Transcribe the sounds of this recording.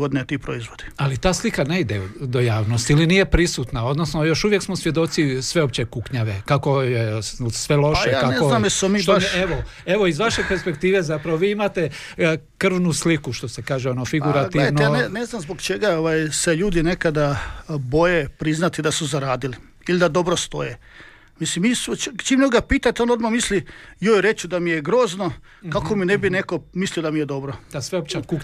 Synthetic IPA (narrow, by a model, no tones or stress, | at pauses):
od̪inet̪iːpɾoizʋod̪i̥alit̪aːslikane̞id̪ed̪o̞jaːʋno̞st̪ilinije̞pɾisuːt̪nao̞d̪no̞sno̞jo̞ʃuʋje̞ksmo̞sʋje̞d̪o̞t̪sisʋe̞op̚t͡ɕe̞kukɲaʋe̞kako̞jesʋe̞lo̞ʃʃekːkaneoznamjesmomiːt̪eʋo | e̞ʋo̞izʋaʃepeɾspe̞kt̪iːʋe̞zapɾaʋoʋiːimat̪e̞ | kr̩ʋnuslikuʃt̪o̞sekaːʒeonofiɡuɾaɡ̪inaeneznamzboɡt͡ʃe̞ɡaoʋajse̞ʎuːd̪ine̞kad̪abo̞jepɾiznat̪id̪asuzaɾaːd̪ili | ilid̪ad̪o̞bɾost̪o̞̰je | mislimist͡ʃimnoɡapiːt̪at̪ionod̪mamislijoːjɾe̞t͡ʃud̪amijeɡɾo̞ːzno | kako̞minebine̞ko̞mislijd̪amijed̪o̞bɾod̪asʋeop̚t͡ʃakuk